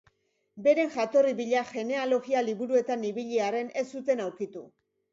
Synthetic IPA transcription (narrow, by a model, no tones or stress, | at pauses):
be̞ɾe̞ŋʝat̪o̞riβiʎaʝe̞ne̞alo̞ɣialiβuɾue̞t̪aniβiʎiaɾe̞ne̞sut̪e̞nawkit̪u